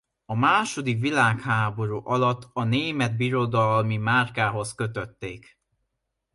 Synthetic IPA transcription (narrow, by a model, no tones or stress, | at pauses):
ɒmaːʃo̞d̪ikʋilaːkhaːbo̞ɾuːʔɒlɒt̪ːɒneːmɛd̪̚biɾo̞d̪ɒlmimaːrkaːɦo̞skø̞t̪øt̪ːeːk